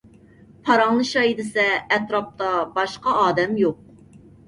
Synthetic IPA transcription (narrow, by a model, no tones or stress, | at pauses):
pʰɑɾɑŋnɨʃɑjid̪ɪsɛːt̪ɾɑp̚t̪ɑbɑʃqɑɑːd̪ɛmjoq̚